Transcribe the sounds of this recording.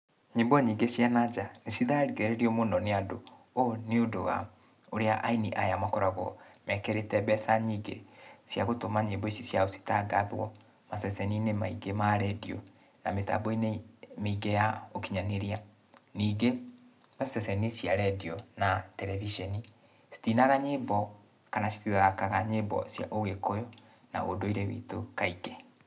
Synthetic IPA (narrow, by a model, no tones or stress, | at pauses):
ɲembɔɲiːŋɡesjanad͡ʒanesiðaɾiɣeɾeɾiɔmoːndɔneado | oneodowa̰ | oɾeaʔainiʔajamakɔɾaɣɔ̰mɛkɛɾetɛbɛsaɲiːɡḛsjaɣotomaɲebɔisisjaosi̥taɡaðwɔ | masɛsɛninemaiɡemaɾɛdiɔ̰ | nameta̰boinemeiɡejaokiɲaneɾia | niːɡe | masɛsɛnisjaɾɛdiɔnatɛɾɛviʃɛni | si̥tinaɣaɲebɔ | kanasi̥tiðakaɣaɲebɔ̰sja̰ʔoɣekojɔ | na̰o̰doiɾɛwḭtokaiɡɛ